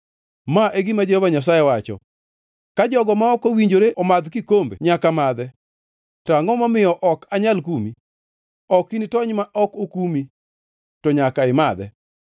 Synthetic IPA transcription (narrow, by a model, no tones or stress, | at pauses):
maʔeɡimad͡ʒehɔvaɲas̬ajɛwat͡ʃɔ̰ | kad͡ʒɔɡɔmaɔkowiɲd͡ʒoɾeʔɔmad̪kikombḛɲakamad̪ɛ | taŋɔmamɪjɔʔɔkaɲalkumi | ɔkinitɔɲmaʔɔkokumi | tɔɲakaɪmad̪ɛ̰